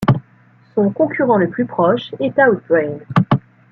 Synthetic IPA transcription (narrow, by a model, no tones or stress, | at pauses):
sɔ̃kɔ̃kʲʰyʁɑ̃ləplypχɔʃɛt̪awbɛ̃ŋ